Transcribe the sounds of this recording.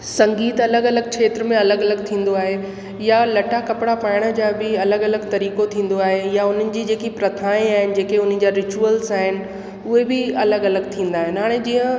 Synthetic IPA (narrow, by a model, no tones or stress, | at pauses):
sɐ̃ŋɡiːt̪ɐləɡɐləɡ̚kʰeːt̪ɾəmẽɐləɡɐləɡ̚t̪ʰĩːn̆d̪oaːɦe | jalɐʈʰakɐpɪɽapaːɪɽ̃ə̆d͡ʑaːbɪɐləɡɐləɡt̪ɐɾiːkot̪ʰĩːn̆d̪oaːɦejaʊn̤ənɪ̆d͡ʑiːd͡ʑeːkipɾɐt̪ʰaːĩaːɦɪnɪ̆d͡ʑeːkeʊn̤ə̆d͡ʑaɾɪt͡ɕuəlzaːɦɪnɪ̆ | ʊɦebɪɐləɡɐləɡt̪ʰĩːn̆d̪aːɦɪnɪɦaːɽ̃ed͡ʑiːə̃